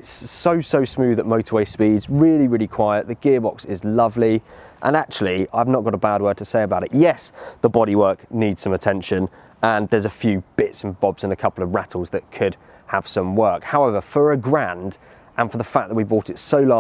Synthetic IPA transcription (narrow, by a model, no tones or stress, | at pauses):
ɪtsəʊsəʊsmʉðəʔməʊtʰəweɪspidzɹɪːliɹɪːlikʰw̥aɪəʔðəɡ̥ɪəbɒksɪzlʌvli | ʔə̰̃nak̚t͡ʃulˠiaɪvnəʔ̚ɡ̥ɒɾəbad̚wɜːtʰəseɪəbaʊɾɪʔjɛsðəbɒɾiwɜˑkniːdz̥sə̃mətʰɛ̃nʃə̃n | ə̃nðəzəfjʉːb̥ɪtsə̃n̩bɒbzɪ̃nəkʰʌpl̩ˠəvɹatʰˡl̩ˠzðəʔ̚kʰəd̥ | əv̥sʌ̃mwɜˑkhaʊɛvəfəɹəɡɹãnd | ʔə̃nfəðəfak̚ðəʔ̚wibɔˑtɪtsəʊlɑ